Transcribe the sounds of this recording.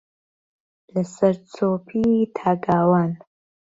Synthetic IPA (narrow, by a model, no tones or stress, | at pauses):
lɐsɐɾt͡sʰoːpʰitʰaːɡaːwaːn